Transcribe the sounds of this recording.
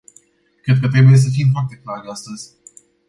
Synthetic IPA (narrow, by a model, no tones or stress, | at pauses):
kɾe̞d̪̚kət̪ɾe̞buje̞s̬əfimfoart̪e̞klaɾast̪əzʲ